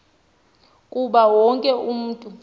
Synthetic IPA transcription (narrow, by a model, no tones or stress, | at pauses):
kʼuɓawɔŋkʼɛum̩ːtʼu